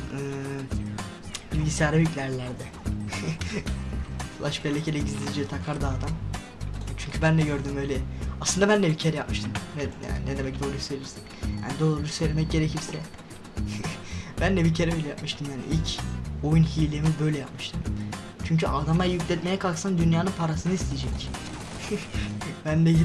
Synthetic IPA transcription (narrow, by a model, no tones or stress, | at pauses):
ɯː | bilʲɟisijaɾayclʲæɾlʲæɾd̪ɛ | flˠaʃbɛlʲːɛcʰelɛɟizd̪ʲid͡ʒit̪ʰakʰaɾd̪aːd̪am | t͡ʃʰyɲcʰybænlɛɟøɾd̪ymø̞jlʲɛaslɯnd̪abænlʲɛbicʰeɾɛjap̚mɯʃt̪ʰɯmnɛja̰nnɛd̪emɛc̚d̪olˠujsøjlʲiɾsi̥nja̰nid̪olˠɯbiɾsø̞jlʲe̞mɛc̚ɟe̞ɾecʰiɾsɛ | bænlɛbicʰe̞ɾɛøjlʲɛjapmɯʃt̪ʰɯmjaːnḭʔilʲcʰojunɦiːlʲemibø̞jlʲɛjap̚mɯʃt̪ʰɯm | t͡ʃʰyɲcʰyad̪amajjyclʲɛt̪me̞jɛkʰalˠksand̪ynjaːnɯnpʰaɾasɯnɯist̪ʰijed͡ʒɛc | bænd̪ɛj